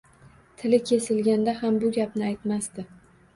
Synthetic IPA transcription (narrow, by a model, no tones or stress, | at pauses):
t̪ʰɪlɪkʲʰe̞sɪlɡʲand̪ahambʊɡʲapnɪajt̪mast̪ɪ